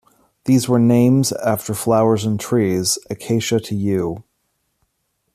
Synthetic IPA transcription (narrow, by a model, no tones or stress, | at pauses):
ðizwə˞nẽɪ̃mzæftə˞flaʊə˞zə̃ntʰɹ̥izɨkʰeɪʃɨɾʰɨjʉ